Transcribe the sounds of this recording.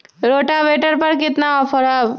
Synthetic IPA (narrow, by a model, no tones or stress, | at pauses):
ɾoːʈabeːʈəɾpɐɾkɪt̪naɔːpʰəɾa